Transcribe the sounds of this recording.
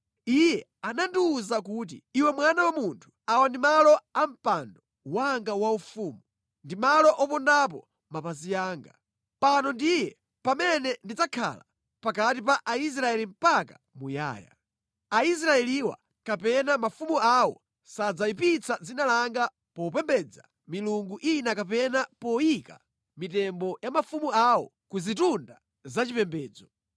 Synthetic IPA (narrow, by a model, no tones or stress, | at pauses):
ijɛ | anandiuzakuːt̬ḭiwɛmwanawamuntʰu̥awandimalɔam̩pandɔ | waŋɡawaufuːmu | ndimalɔʔɔpɔndap̬ɔ | mapazijaːŋɡa | panɔndijɛ | pamɛnɛndid͡zakʰa̰la̰ | pakatipaʔais̬ɾaɛlim̩paka | muja̰ːja̰ | ais̬ɾaɛliwa̰ | kapɛnamafumuawɔ̰ | sad͡zaipit͡sʰad͡zinalaŋɡa | pɔupɛmbɛd͡za | miluŋɡuʔinakapɛnapɔjika̰ | mitɛmbɔjamafumuawɔ | kuzitunda | zat͡ʃipɛmbɛːd͡zɔ